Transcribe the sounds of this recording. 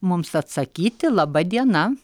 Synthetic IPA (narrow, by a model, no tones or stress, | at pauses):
mʊmsɐt̪sɐkʲiːt̪ʲɪlˠɐbɐd̪ʲiɛnɐ